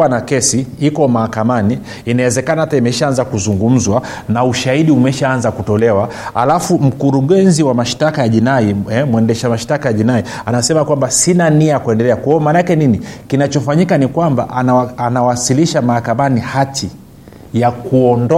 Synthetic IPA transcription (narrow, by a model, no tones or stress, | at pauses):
wanakɛsiikɔmahakamaniː | nawɛzɛkanahataimɛʃaanzakuzuŋɡum̩zwa | nauʃahiɗiumɛʃaanzakutɔlɛwa | ha̰lafum̩kuɾuɠɛnziwamaʃtakajaʄinaiɛmwɛndɛʃamaʃtakajaʄinai | anasɛmakwambasinaniajakuɛndɛlɛakwajɔmaːnaakɛninikinat͡ʃɔfaɲikanikwamba̰ʔaanawasiliʃamahakamanihatʰi | jakuɔndɔ